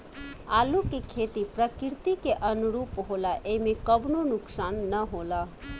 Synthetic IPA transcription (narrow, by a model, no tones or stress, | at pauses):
alukekʰet̪ipɾəkiɾt̪ikeʔənuɾuːpɦolaʔemekəbnonuksanːəɦola